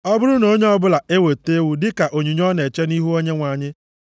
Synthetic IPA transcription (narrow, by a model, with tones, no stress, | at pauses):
ɔ˦bʊ˦ɾʊ˦no˦ɲe˦ɔ˦bʊ˦la˨ʔe˦we˨te˦wu˨dɪ˦ka˨ʔo˨ɲu˨ɲɔ˦ne˨t͡ʃe˦ni˦ɦu˦o˦ɲe˦ŋʷa˨ɲɪ˦